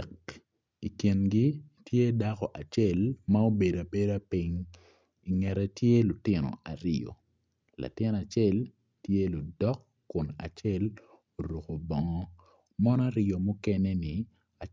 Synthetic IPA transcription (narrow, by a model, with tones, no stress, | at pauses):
k | i˨kje˨nɡi˦tʰje˦da˦kɔ˨ʔa˨t͡ʃɛ˦˨lma˦o˦be˨da˨be˦da˦pi˦ŋ | i˨ŋɛ˨ɾɛ˨tje˦lʊ˨tɪ˦nɔ̰˨a˨ɾo̰˨ | la̰˨tɪ˦na˨t͡ʃɛ˦l | tje˦lʊ˨dɔ˦kːʊ˨na̰˨t͡ʃɛ˦l | o˨ɾu˨ko˨bɔ˨ŋɔ˦ | mɔ˦nɔ˦a˦ɾɪjo˨mʊ˦kɛ˦nɛ˦nɪ˨ | a˨